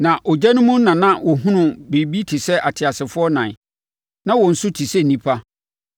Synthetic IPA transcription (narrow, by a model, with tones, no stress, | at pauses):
nã˨ʔɔ˨d͡ʑɛ˦nʊ̃˦mʊ̃˦n̩˦nã˨nã˦wʔɔ˨ɦʊ̃˦nʊ̃˨be˨bi˦tʰi˨sɛ˦ʔa˨tʰɪ˨a˨sɪ˨fʊ˦ɔ˦nã˨n˨ | nã˦wɔ˨n̩˨sʊ˦tʰi˨sɛ˦˨nĩ˦pʰa˦